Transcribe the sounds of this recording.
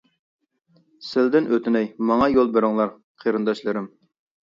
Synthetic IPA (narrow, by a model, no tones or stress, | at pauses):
sɪld̪ɪnʔøt̪ʰɪnɛjmɑŋɑjolˠbeɾɪŋlˠɑɾ | qʰeɾɨnd̪ɑʃlˠɨɾɪm